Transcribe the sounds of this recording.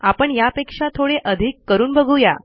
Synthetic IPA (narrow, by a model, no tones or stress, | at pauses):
apəɳjapekʂat̪ʰoɽeʔəd̪ʱikːəɾuːnbəɡʱuja